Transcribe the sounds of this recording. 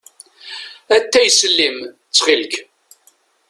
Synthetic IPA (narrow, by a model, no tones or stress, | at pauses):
æt̪ːæjsəlːim | t͡sːχilk